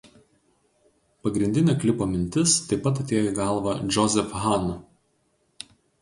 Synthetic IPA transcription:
pɐɡɾʲɪnʲd̪ʲɪnʲeːklʲɪpoːmʲɪnʲt̪ʲɪst̪ɐɪpɐt̪ɐt̪ʲeːjoɡɑˑlˠʋɐd͡ʒʲɔzʲɛfɦɑnʊ

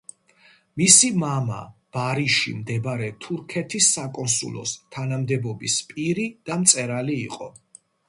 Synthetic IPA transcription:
misimama̰b̥aɾiʃḭmd̪ɛbɾɛt̪ʰuɾkʰɛt̪ʰisːakʼɔnsṵlˠɔ̰st̪ʰanamd̪ɛbɔbispʼiɾid̪̥amt̪sʼɛɾaliːqʼɔ

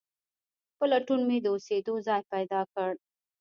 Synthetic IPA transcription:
pəlaʈunmed̪əosed̪ozɑjpajd̪ɑkəɽ

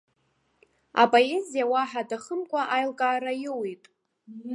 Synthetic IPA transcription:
a̰pʼo̞e̞zijawaħadaχəmkʷʼaʔajlkʼaːɾajɪwitʼ

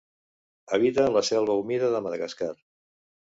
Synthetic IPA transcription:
əβit̪ənləsɛlˠβəumiðəðəməðəɣəskar

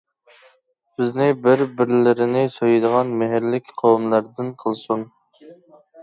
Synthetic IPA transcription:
bɪznɪbɪɾbɪɾlɪɾɪnɪsojɨd̪əʁɑnmɪɦɪɾlɪkʲqʰowmlˠæɾd̪ɪnqʰəlˠsun

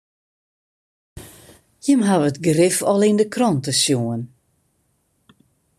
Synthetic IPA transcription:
jəmɦaʋətɡrɪfɔlˠɪndəkrɔntəsjoən

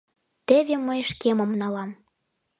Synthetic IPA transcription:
t̪eβʲeməjʃkemŏmnɑlɑm

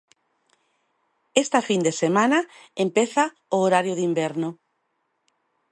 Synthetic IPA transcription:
est̪afind̪esemãnaempeθa | ooɾaɾjoðimbeɾnʊ

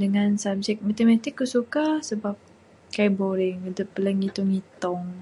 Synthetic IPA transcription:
dəŋãnsabd͡ʒɛk̚mat̪emat̪ɪkːusukasəbap̚ | kaiboɾɛŋədəpːələŋɡit̪uŋit̪ɔŋ

